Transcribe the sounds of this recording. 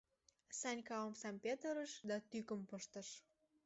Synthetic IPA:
sɑnʲkɑəmsɑmpʲet̪əɾəʃd̪ɑt̪ykəmpəʃt̪ə̆ʃ

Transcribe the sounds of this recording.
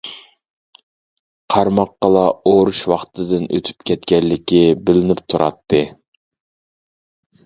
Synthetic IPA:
qʰɑɾmɑqːɑlˠɑoɾuʃwɑχt̪ʰɨd̪ɪnø̰t̪ʰy̥pkʲʰɛt̪kʲɛlːɪkʲibɪlɪnɪpt̪ʰuɾɑ̰t̪ʰːɨ

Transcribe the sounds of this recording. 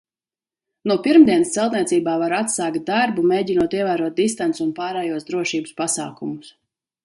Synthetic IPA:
nuɔpiɾmd̪iɛnst̪sɛlˠt̪niɛt̪siːbaːvaɾat̪saːkt̪̚d̪aɾbumeːɟinuɔt̪iɛvaːɾuɔt̪̚d̪ist̪ant̪sunpaːɾɛːjuɔsd̪ɾuɔʃiːbuspasa̰ːkumʊs

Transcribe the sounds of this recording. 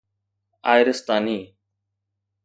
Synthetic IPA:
aːɪɾəst̪aːniː

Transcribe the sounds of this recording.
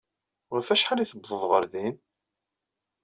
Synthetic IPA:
fæʃħaliθəbðˤəðˤʁəɾðin

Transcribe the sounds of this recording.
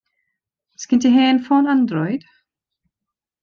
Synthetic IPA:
skɪnt̪iɦɛːnfɔːnand̪ɾɔjd̪̥

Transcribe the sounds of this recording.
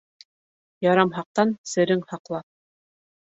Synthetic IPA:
jɑɾɑmɦɑq̚t̪ɑnsɘ̆ɾɘŋhɑqlˠɑp̚

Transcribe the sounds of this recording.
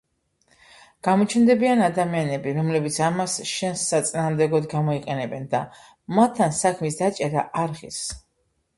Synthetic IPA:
ɡ̥amɔt͡ʃʰɛnd̪ɛbianad̪amianɛbiɾɔmlɛbit̪sʰamasʃɛnsːat̪sʼinaːmd̪ɛɡɔd̪ɡamɔiqʼɛnɛbɛnd̪a | mat̪ʰːansakʰmisd̪at͡ʃʼɛɾaʔaɾʁḭs

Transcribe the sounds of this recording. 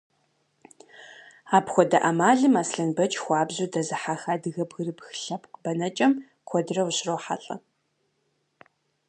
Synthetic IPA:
aːpxʷɔdɐʔɐmaːɮɨmaːsɬɐnbɐt͡ʃʼxʷɑːbzuːdɐzɨħaxaːdɨɣɐbɣɨrɨpxɨ̥ɬɐpʰʼkʼbɐnɐt͡ʃʼɐm | kʷʰɔdɨrɐwuɕrowħa̰ɬʼɐ̰

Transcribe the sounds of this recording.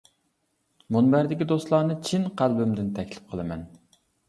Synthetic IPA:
munbæɾd̪ɪkʲid̪oslˠɑːnɨt͡ʃʰinqʰælbymd̪ɪnt̪ʰɛkʲlɪ̥p̚qʰəlˠɨmɛn

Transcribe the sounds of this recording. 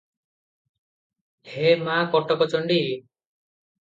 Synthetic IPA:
hemakɔʈɔkɔt͡ʃɔɳɖi

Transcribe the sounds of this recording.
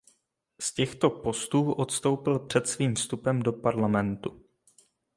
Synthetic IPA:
scɛxt̪o̞po̞st̪uːʔo̞t̪st̪o̞wpɪlpr̝̥ɛt̪sviːmfst̪upɛmdo̞paɾlamɛnt̪u

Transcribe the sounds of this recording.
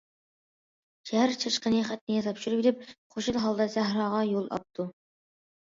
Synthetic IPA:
ʃæhæɾt͡ʃʰɨʃqənɨχæt̪nɪjɑt̪ʰɑpʃyɾɨpelɪp̚χʰoʃulˠɦɑlˠd̪ɑsæɦɾɑːʁɑjolˠɑ̰p̚t̪ʰu

